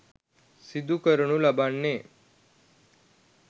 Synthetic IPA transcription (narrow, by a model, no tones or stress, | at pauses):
sid̪ʱukəɾɳũlabaːnːeː